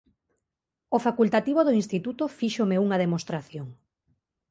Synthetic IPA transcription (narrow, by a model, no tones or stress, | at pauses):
ofakult̪at̪iβoðoĩnst̪it̪ut̪ofiʃomeuŋɐðemost̪ɾaθjoŋ